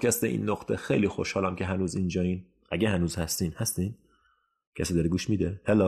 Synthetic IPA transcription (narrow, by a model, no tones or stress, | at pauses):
kʲʰæst̪eʔḭːnːoqt̪ʰexejliːxoʃhɒːlæmcʲʰeɦænuːzind͡ʒɒːiːn | ʔæɡʲehænuːzhæst̪iːnhæst̪iːn | cʲʰæsiːd̪ɒɾeɡuːʃmiːd̪ehelɒ